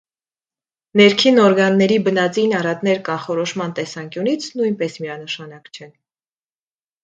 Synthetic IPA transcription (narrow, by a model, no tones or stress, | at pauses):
nɛɾkʰinɔɾɡɑnːɛɾibənɑt͡sinɑɾɑt̪nɛɾkɑnχɔɾɔʃmɑnt̪ɛsɑŋkjunit͡sʰnujnpɛsmiɑnəʃɑnɑkt͡ʃʰɛn